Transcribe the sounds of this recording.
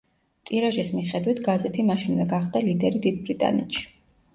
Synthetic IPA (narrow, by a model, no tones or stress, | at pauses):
t̪ʼiɾaʒismiχɛd̪wit̪ʰɡazɛt̪ʰimaʃinvɛɡaχd̪alid̪ɛɾid̪id̪̚bɾit̪ʼa̰nɛ̰t̪ʃi̥